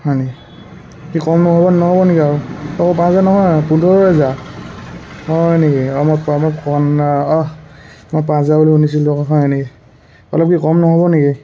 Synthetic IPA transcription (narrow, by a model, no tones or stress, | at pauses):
hɔjneki | kikɔmnɔɦɔbɔnɔɦɔbɔnekiaɹuɔkɔpãzanɔɦɔjpundʱɔɹɔza | hɔnekiamɔpamɔkɔnaɔ | mɔjpãzabuliunis̬ilɔɦɔjneki | ɔlɔp̚kikɔmnɔɦɔbɔneɡi